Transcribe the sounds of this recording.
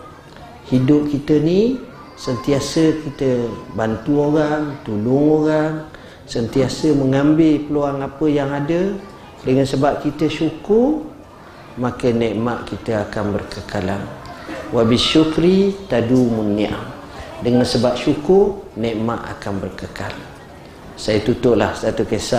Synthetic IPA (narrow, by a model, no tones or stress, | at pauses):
hidʊp̚kit̪əni | sənt̪iasəkit̪əbant̪uoɾaŋt̪ulʊŋoɾaŋ | sənt̪iasəməŋambɪlpəloaŋapəjaŋadə | dəŋansəbap̚kit̪əʃukʊr | makənɛʔmaʔkit̪əakanbərkəkalanwabɪʃukɾit̪adumunia̰ | dəŋansəbap̚ʃukʊrnɛʔmaʔa̰kanbərkəka̰l | sajət̪ut̪ʊʔlahsat̪ukəsaʔ